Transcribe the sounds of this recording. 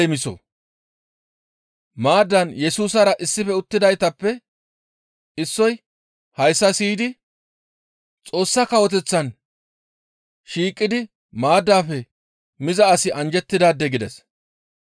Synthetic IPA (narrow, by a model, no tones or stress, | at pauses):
ɛmɪsɔ̰ | maːd̪ːɐnjɛsuːsɐɾɐʔɪsːɪfɛʊt̪ːɪd̪ɐjt̪ɐpːɛ | ɪsːɔj | hɐjsːɐsiːd̪ɪ | t͡sʼo̞ːsːɐkɐwɔt̪̬ɛt͡sːɐn | ʃiːkʼːɪd̪ɪ | maːd̪ːaːfɛ | mɪzɐːsɪʔɐnd͡ʒɛt̪ːɪd̪aːd̪ːɛɡɪd̪ɛs